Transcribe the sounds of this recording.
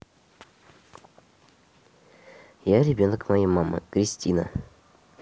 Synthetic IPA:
jaɾʲɪbʲonəkmajamamɨ̰kɾʲɪsʲtʲinə̰

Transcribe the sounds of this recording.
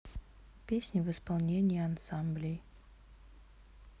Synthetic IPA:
pʲesʲnʲɪvɨspalˠnʲenʲɪjəɐnsamblʲɪj

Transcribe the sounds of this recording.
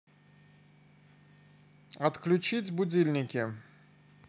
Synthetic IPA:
at̪klʲut͡ʃʰit͡sʲbudʲilʲnʲɪkʲɪ

